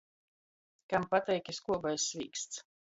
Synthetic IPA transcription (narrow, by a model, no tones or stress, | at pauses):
kampat̪ɛjkʲiskuɔbajsvʲiːkst̪s